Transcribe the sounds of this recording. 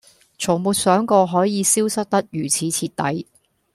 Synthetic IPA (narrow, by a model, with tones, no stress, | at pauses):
t͡ʃʰʊ˨˩ŋmuː˨t̚sœː˨˥ŋkɔː˧ɦɔː˨˥jiː˨˧siː˥wsɐ˥k̚t̪ɐ˥k̚jyː˨˩t͡sʰiː˨˥t͡sʰiː˧t̚t̪ɐ˨˥j